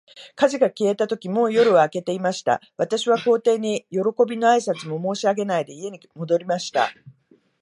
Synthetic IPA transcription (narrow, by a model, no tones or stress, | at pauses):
kaʑiɡakʲie̞t̪at̪o̞kʲimo̞ːjo̞ɾɯ̟ːke̞t̪e̞imaɕi̥t̪a̰β̞at̪aɕiβako̞ːt̪e̞ːɲ̟ijo̞ɾo̞ko̞bʲino̞aisat͡sɨmo̞mo̞ːɕiaɡe̞naid̪e̞ie̞ɲ̟imo̞d̪o̞ɾʲimaɕi̥t̪a̰